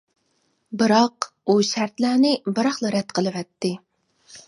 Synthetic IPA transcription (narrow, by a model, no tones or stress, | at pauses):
bɨɾɑq | uʃæɾt̪lænɪbɨɾɑχlˠɨɾɛd̪̚qʰəlˠɨvɛt̪ːɪ